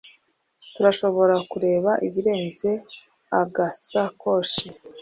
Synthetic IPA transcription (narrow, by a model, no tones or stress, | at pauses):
tuɾaʃo̞βo̞ɾakuɾe̞ːβaʔiβiɾe̞ːnze̞ | aɡasako̞ʃe